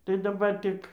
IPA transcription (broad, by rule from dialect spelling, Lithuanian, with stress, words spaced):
tɐɪ dɐˈbɐr ˈtʲɪk